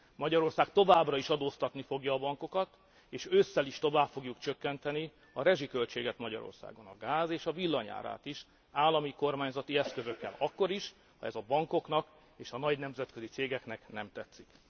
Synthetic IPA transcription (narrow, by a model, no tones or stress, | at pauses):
mɒɟɒɾo̞rsaːkt̪o̞vaːbrɒiʃɒd̪oːst̪ɒt̪nifo̞ɡjɒːbɒŋko̞kɒt̪ | eːʃøsːɛliʃt̪o̞vaːpfo̞ɡjukt͡ʃøkːɛnt̪ɛni | ɒɾɛʒikø̞lt͡ʃeːɡɛt̪mɒɟɒ̰ɾo̞̰rsa̰ːɡo̞nɒɡaːzeːʃɒvilːɒɲa̰ːɾa̰ːt̪iʃ | aːlːɒmiko̞rmaːɲzɒt̪iɛskø̞zøkːɛ̰lɒkːo̞ɾiʃ | hɒ̰ɛzɒbɒŋko̞knɒk | eːʃɒnɒɟnɛmzɛt̪kø̞zit̪seːɡɛknɛknɛmt̪ɛt̪sːik